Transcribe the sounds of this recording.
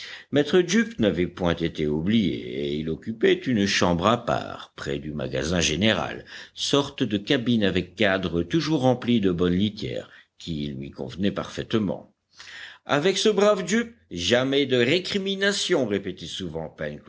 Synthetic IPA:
mɛt̪χədypnavɛpwɛ̃t̪et̪eublijḛeilɔkʲypɛt̪ynʃɑ̃bʁapa̰ʁpχɛ̰d̪yma̰ɡa̰zɛ̃ʒeneʁa̰lsɔʁt̪d̪əkabinavɛkːad̪ʁət̪uʒuʁːɑ̃plid̪əbɔnlit̪jɛ̰ːʁkʲilɥḭkɔ̰̃vənɛpa̰ʁfɛt̪mɑ̰̃ | a̰vɛksəbʁavd̪yp̚ʒamɛd̪əʁekχiminasjɔ̃ʁepet̪ɛsuvɑ̃pɛnk

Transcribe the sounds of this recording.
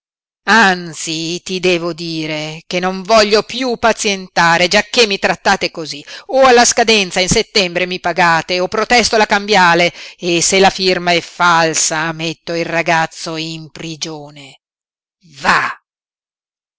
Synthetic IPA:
ant̪sit̪id̪ɛːvod̪iːɾek̟enːoɱvɔʎːopjupat̪sjent̪aːɾed͡ʒakːemːit̪ɾat̪ːaːt̪ekozioalːaskad̪ɛnt̪sainset̪ːɛmbɾemipaɡaːt̪eopːɾot̪ɛst̪olakambjaːleːselafirmaɛfalsamet̪ːoilraɡat̪sːoimpɾid͡ʒoːne | va

